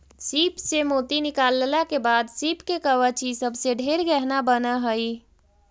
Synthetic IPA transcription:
siːpsemoːt̪inɪkaːlːlakebaːd̪siːpkekəʋət͡ʃisəbseɖʱeːɾɡɛɦnabənaɦəi

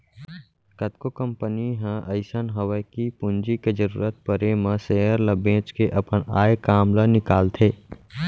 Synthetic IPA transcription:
kət̪kokə̃mpəniɦə̃ʔəɪsənɦəwəkipʊ̃nd͡ʒiked͡ʒəɾṵːɾət̪̚pəɾemə̃seɦəɾləbẽːt͡ʃkeʔɐpəna̰ːjkaːmlanɪkaːlt̪ʰeː

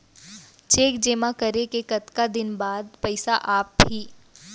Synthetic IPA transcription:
t͡ʃeːkd͡ʒeːmakəɾekekɐt̪kad̪ɪnbaːd̪pɐɪsaʔaːp̚ːiː

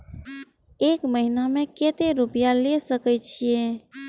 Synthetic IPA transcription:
ekməɦinameket̪eɾupijalesəkɛt͡ʃʰije

